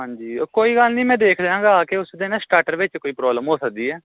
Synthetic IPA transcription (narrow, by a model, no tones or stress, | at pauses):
ɦãːɲd͡ʒiːkoːiːɡəlnĩːmɛ̃ːd̪eːkʰd̪ãːɡaːkeːʊsd̪eːnãːsʈaːʈəɾʋɪt͡ʃkoːiːpɾɔːbləmɦoːsək̚d̪iːɛː